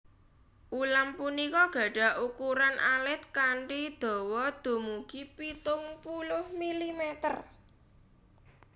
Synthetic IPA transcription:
ʔulampunikɔɡ̥ä̤ɖ̥a̤ʔukuɾanʔalɪt̪̚kaɳʈid̪̥o̤wɔd̪̥o̤muɡ̥ipit̪ʊŋpulʊhmilimɛt̪ər

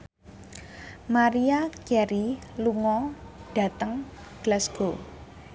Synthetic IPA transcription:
maɾiakɛɾiluŋɔɖ̥a̤t̪əŋ | ɡ̥lasɡ̥o

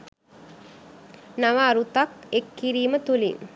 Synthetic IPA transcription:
naʋaːɾut̪akekːiɾiːmət̪ulḭŋ

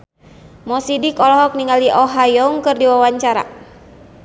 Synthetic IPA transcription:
mɔsidikɔlɔɦɔk̚niŋaliʔɔɦajɔŋkɨrdiwawaɲt͡ʃaɾa̰

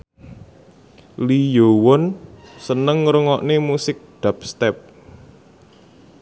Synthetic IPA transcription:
lijowɔnsənəŋːɾəŋɔʔnemusɪk̚ɖ̪̥a̤p̚st̪ɛp̚

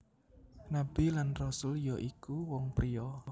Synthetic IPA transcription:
nab̥ilanrɔsʊljɔʔikuwɔŋpɾijɔ

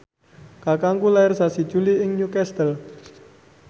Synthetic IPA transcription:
kakaŋkulaɪrsasi̥ʒ̥uliɪŋɲukɛst̪əl

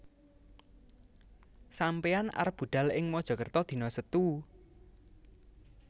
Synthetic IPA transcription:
sampeana̰rb̥ṳɖ̪̥a̤lɪŋmɔd̥ʒ̥ɔ̤kərt̪ɔd̪̥i̤nɔsət̪u

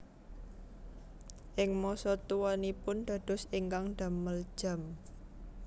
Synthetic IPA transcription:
ʔɪŋmɔsɔt̪uwanipʊnd̪̥a̤d̪̥ɔ̤siŋkaŋɖ̪̥a̤məld̥ʒ̥a̤m

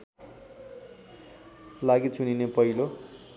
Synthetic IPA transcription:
laɡit͡suninepʌɦilo

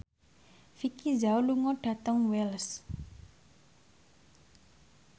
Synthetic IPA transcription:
fikizawluŋɔɖ̥a̤t̪əŋwɛls

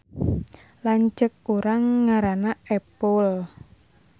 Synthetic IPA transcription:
laɲt͡ʃək̚uɾaŋːaɾanaɛpəl

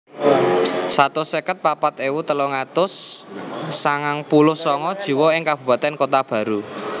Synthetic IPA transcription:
sat̪ʊsɛkət̪̚papat̪ewut̪əloŋat̪ʊsː | aŋaŋpulʊhsɔŋɔd̥ʒ̥i̤wɔɪŋkab̥ṳpat̪ɛnkot̪ab̥ä̤ɾu

